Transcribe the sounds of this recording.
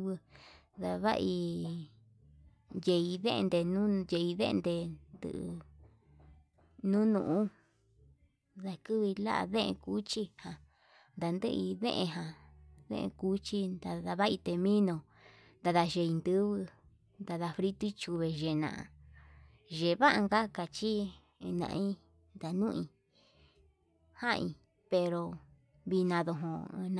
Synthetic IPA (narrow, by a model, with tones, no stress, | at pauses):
βɨ˧ða˧βa̰˦ʔi˧ | je˧i˧ðḛ̃˦ʔẽ˧nd̪e˧nũ˦je˧i˧ðḛ˦ʔnd̪e˧nd̪ɨ̰˧˨ʔ | nũ˦nṵ̃˨ʔũ˦ | ða˧kɨ˦βi˧la̰˦ʔa̰˧ðẽ˦ʔḛ̃˧ku˦t͡ʃi˦hã˨ | nd̪a˨nd̪ɨ̰˦˧i˧ðḛ̃˦ʔẽ˧ɦã˨ðḛ̃˦ʔḛ̃˧ku˦t͡ʃi˦nd̪a˧ða˧βa˦i˧t̪e˧mĩ˦nõ˧ | nd̪a˧ða˧ʒe˧i˧nd̪ɨ˦βɨ˧ | nd̪a˧ða˧fɾi˧t̪u˦t͡ʃu˧βe˨ʒe˨nã̰˨ʔa̰˨ | ʒe˨˧βa˦ʔa˧ŋɡa˦ka˨t͡ʃi˦˧ | nã̰˨˧ʔĩ˦ | nd̪a˨nũ˦ʔĩ˧ | hã˦ʔĩ˧ | pe˧ɾo˧ | βi˧nã˧ðõ˧ɦõ̰˧n˧